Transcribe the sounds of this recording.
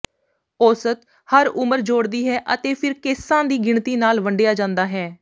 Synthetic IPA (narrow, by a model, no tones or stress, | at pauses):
oːsət̪ | həɾʊməɾd͡ʒoːɽd̪iːɦɛːʔət̪eːpʰɪɾkɪsãːd̪iːɡɪɳt̪iːnaːlʋəɳɖjaːd͡ʒãːnd̪aːɦɛː